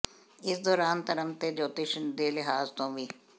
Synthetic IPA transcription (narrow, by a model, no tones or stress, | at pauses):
ɪsd̪ɔːɾaːnt̪ɐɾəmt̪ed͡ʒoːt̪ɪʃənd̪eːlɪɦaːzt̪õːʋiː